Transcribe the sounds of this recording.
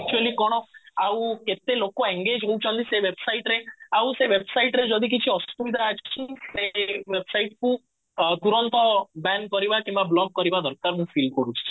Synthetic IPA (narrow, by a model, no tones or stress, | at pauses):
ɛk̚t͡ʃuelikɔɽ̃ɔaũket̪elokoɛŋɡed͡ʒɦout͡ʃʰɔ̃nd̪iseʋebsaiʈɾeaũseʋebsaiʈɾed͡ʒɔd̪ik̬it͡ʃʰiɔst̪uʋid̪ʱat͡ʃʰt͡ʃʰit̪eʋebsaiʈkũ | t̪uɾɔnt̪ɔbɛnkɔɾiʋakĩmʋablɔɡ̚kɔɾiʋad̪ʱɔɾkaɾnũfilkɔɾut͡ʃt͡ʃʰi̥